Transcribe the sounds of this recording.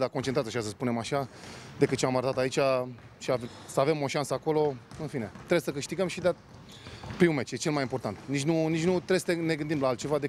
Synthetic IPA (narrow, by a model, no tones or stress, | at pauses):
d̪akont͡ʃet̪ɾajaʃas̬əspune̞maʃad̪ekɨt̪t͡ʃeamaɾət̪at̪ait͡ʃʲa | ʃiav | səave̞mo̞ʃansəako̞lo̞ɨnfine̞t̪ɾeesəkɨʃt̪iɡəmʃid̪a | pɾiume̞t͡ʃʲjet͡ʃe̞lmajimpo̞rt̪ant̪nit͡ʃnunit͡ʃnut̪ɾeesə̥ene̞ɡɨnd̪imlaːlt̪t͡ʃe̞vad̪e̞